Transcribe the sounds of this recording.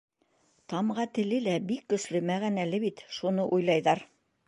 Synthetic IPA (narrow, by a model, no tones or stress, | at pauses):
t̪ɑmʁɑt̪ɘ̆lɘlæbikːɵ̆slɵmæɣænælɘβit̪ʃunɤʔujlˠɑjðɑɾ